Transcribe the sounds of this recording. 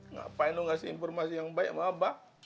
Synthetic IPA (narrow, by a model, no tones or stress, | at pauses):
ŋa̰ʔpainuŋasiinfɔrmasijaŋbaɛ̰ʔmaba